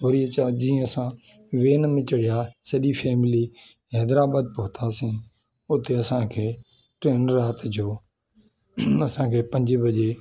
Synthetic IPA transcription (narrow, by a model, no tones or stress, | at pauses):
ʋɐɾiːət͡ʃad͡ʒiːə̃ɐsã | ʋeːnmɪ̃t͡ʃəɽɪjaːsɐʄifʰɛːmɪliː | ɦɛːd̪ɾaːbaːd̪̚pʊɦʊt̪ʰaːsĩː | ʊt̪eɐsãːkʰeː | ʈɾeːnəɾːaːt̪d͡ʑoː | ɐsãːkʰeːpɐ̃ɲd͡ʒebɐʄeː